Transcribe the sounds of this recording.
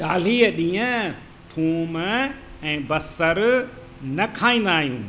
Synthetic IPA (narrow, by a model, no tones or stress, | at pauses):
ɗaːl̤iːəɗĩːə̃ | t̪ʰuːm | ɛ̃ːbɐsəɾ | nɐkʰaːĩːnd̪aːɦijũː